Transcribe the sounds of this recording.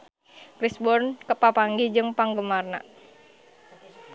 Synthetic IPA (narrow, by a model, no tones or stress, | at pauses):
kɾisbɔrnkəpapaŋɡid͡ʒɨŋpaŋɡəmarna̰